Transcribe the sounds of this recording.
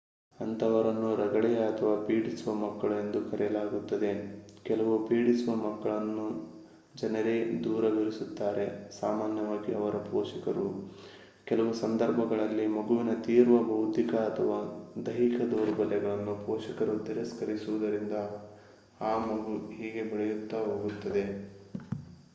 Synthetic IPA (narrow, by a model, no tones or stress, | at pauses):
ɐnt̪ʰɐʋɐɾɐnːuɾɐɡɐɽɛjɐɐt̪ʰɐʋaːpiːɽisuʋɐmɐkːɐɭe̞nd̪ukɐɾɛjɐlaːɡut̪ːɐd̪e̞kɛlɐʋupiːɽisuʋɐmɐkːɐɭɐnːu | d͡ʒɐnɐɾe̞ːd̪uːɾɐɡɐɾisut̪ːaːɾe̞sa̰ːmaːnjɐʋaːɡiɐʋɐɾɐpɔːʃɐkɐɾu | kɛlɐʋusɐnd̪ɐɾbʱɐɡɐɭɐlːimɐɡuʋinɐt̪iːɾʋɐbʱɐwut̪ikɐːt̪ʰɐʋaːd̪ɐɦikɐd̪oːɾbɐlːɛɡɐɭɐnːupɔːʃɐkɐɾut̪iɾɐskɐɾisuʋɐd̪ɐɾind̪ɐ | aːmɐɡuɦiːɡe̞biɭɛjut̪ːɐɦo̞ːɡut̪ːɐd̪e̞